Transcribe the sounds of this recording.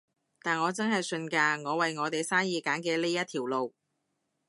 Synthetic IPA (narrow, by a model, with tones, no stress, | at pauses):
t̪aː˨˩nŋɔː˨˧t͡sɐ˥nɦɐ˨jsɵ˧nkaː˧ŋɔː˨˧wɐ˨jŋɔː˨˧t̪e˨jsaː˥njiː˨˧kaː˨˥nkɛː˧le˥jɐ˥t̪̚ʰiː˨˩wlo˨w